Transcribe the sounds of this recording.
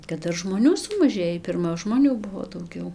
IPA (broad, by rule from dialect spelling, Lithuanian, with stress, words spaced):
kɐt ˈdɐr ʒmoːˈnʲuː sʊmɐˈʒʲeːjiː pʲɪrˈmɐ ʒmoːˈnʲuː ˈbʊʋoː dɐʊˈɡʲɛʊ